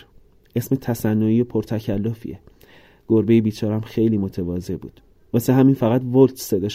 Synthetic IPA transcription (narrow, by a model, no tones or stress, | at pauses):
ʔe̞sme̞t̪ʰæsænːoiːjopʰoɾt̪ʰæcʰælːofḭe | ɡ̥oɾbejebiːt͡ʃʰɒːɾæmxe̞jliːmo̞t̪ʰevɒːze̞bṵːd̪̥ | vɒseɦæmiːnfæɣæt̪volt̪ʰsed̪eʃ